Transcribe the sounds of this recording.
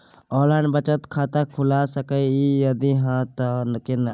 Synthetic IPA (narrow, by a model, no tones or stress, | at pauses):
ɔːləɳbət͡ʃət̪kʰat̪akʰulasəkəjijəd̪iɦãt̪ənkin